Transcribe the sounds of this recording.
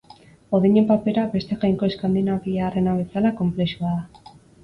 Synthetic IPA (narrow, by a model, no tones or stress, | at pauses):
oðeɲe̞mpape̞ɾabe̞st̪e̞ɣajŋko̞eskand̪inaβiːrenaβe̞salako̞mple̞ʃuaða